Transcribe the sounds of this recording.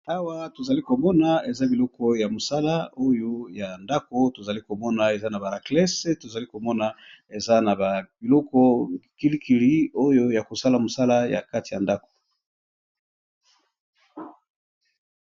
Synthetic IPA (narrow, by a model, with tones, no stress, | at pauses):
a˦wa˦to˨za˨li˦ko˨mɔ˦na˨e˨za˦bi˨lɔ˦kɔ˦ja˨mo˨sa˦la˦o˦jo˦ja˨nda˦ko˦to˨za˨li˦ko˨mɔ˦na˨e˨za˦na˨ba˨ʁa˨klɛ˦se˦to˨za˨li˦ko˨mɔ˦na˨e˨za˦na˨ba˨bi˨lɔ˦kɔ˦ki˦li˦ki˨li˦o˦jo˦ja˨ko˨sa˦la˨mo˨sa˦la˦ja̰˨ka˦ti˨ja˨nda˦ko̥˨